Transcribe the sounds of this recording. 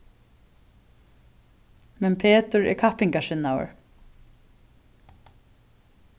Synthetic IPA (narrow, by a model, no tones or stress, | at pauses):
mɛnpʰeːt̪ʊɹɛ̰ɹkʰahpɪŋkaʃɪnːawə̰ɹ